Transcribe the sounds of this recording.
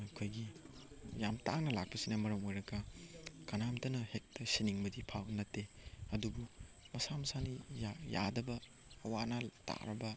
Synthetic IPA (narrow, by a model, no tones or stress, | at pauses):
ɐkʰojɡi | jamtaŋnɐlak̚pɐsinɐmɐɾɐmojɾɐɡɐkɐnamtɐnɐhek̚tɐsiniŋmɐdipʰawnɐtːeɐdubu | mɐsamɐsanijaja̰dɐbɐː | wanɐta̰ɾɐbɐ